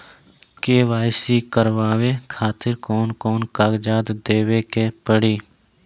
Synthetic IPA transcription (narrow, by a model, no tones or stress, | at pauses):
keːʋaːɪsikəɾʋaːʋekʰaːt̪ɪɾkɔːnkɔːnkaːɡd͡ʒaːd̪d̪eːwekepəɽiː